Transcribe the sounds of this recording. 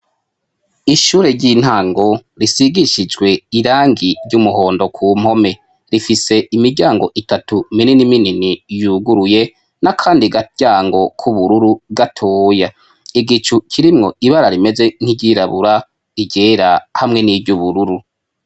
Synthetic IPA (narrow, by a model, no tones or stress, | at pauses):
iʃuːɾe̞ɾɟiːn̥haːŋɡo̞ɾisiɡiʃid͡ʒɡwe̞iɾaːŋɡiɾɟumuho̞ːndo̞kʰuːm̥ho̞me̞ | ɾifise̞imiɾɟaːŋɡo̞ʔitatumininimininijuɡuɾuje̞ | nakʰaːndiɡaɟ̥aːŋɡo̞kʰuβuɾuɾuɡatʰoːja | iɡit͡ʃukʰiɾimŋo̞iβaɾaɾime̞ze̞ŋ̥hiɟiɾaβuɾa | iɟeːɾahamŋe̞niːvɟuβuɾuɾu